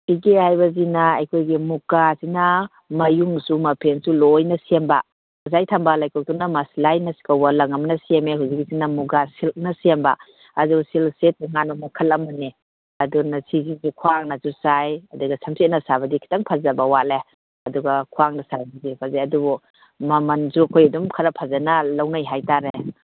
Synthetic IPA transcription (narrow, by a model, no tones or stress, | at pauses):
piɡehajbazinaːjkʰojɡimuɡasina | mɐjuŋsumɐpʰensulɔjnɐsemba | azajtʰambalajkʰɔw̚tunamaslajnasi̥kawalɐŋamnɐsemehuzik̚isinamuɡasilnɐsemba̰ː | dusilsetʰuŋanɔmakʰɐlɐmani | ɐdunasizizukʰuaŋnazusajɐduɡɐsamset̚nɐsabɐdikʰi̥taŋpʰazabɐwale | ɐduɡɐkʰuaŋnɐsajɦuzipʰazeɐdubɔ | mɐmɐnzukʰojɐdumkʰɐɾapʰazanɐlawnajɦajtaɾe